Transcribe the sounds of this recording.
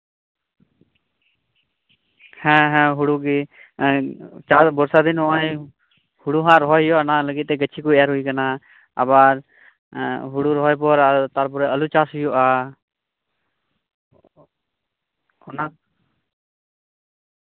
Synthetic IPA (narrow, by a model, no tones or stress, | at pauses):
hɛ̃ɦɛ̃ɦuɽuɡi | t͡ʃasbɔɾsad̪inɔã | huɽuɦãɾɔɦɔjɔanaləɡɪt̪̚ːɛɡət͡ʃʰikuɛjaɾɦuikana | a̰baɾ | ɦuɽuɾɔɦɔjp̬ɔɾat̪aɾp̬ʊɾɛəlut͡ʃaːsɦʊjɔʔa | ɔna